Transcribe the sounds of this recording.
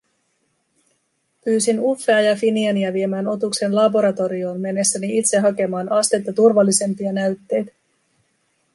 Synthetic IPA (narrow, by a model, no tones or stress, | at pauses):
pyːsinufːe̞ɑjɑfiniɑniæʋie̞mæːno̞t̪ukse̞nlɑbo̞ɾɑt̪o̞ɾio̞ːnme̞nːesːæniit̪se̞ɦɑke̞mɑːnɑst̪et̪jɑt̪urʋɑlːise̞mpiɑnæɥt̪ːe̞jt̪